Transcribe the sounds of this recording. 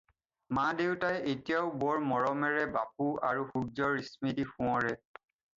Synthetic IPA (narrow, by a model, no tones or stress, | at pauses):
mãdewtajetijaʊbɔɹmɔɹɔmɛɹɛbap̚uaɹuxuɡ̚zɔɹismitixũɔ̃ɹɛ